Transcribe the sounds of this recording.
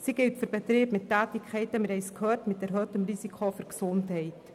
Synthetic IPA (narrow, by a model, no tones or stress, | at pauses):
siɡɪltfyɾbətɾiːbmɪtːæːtɪkʰχɛɪtəmɪɾɛɪskʰœrtmɪt̚ɛɾɦœtəmrizikʰofyɾksʊnthɛɪt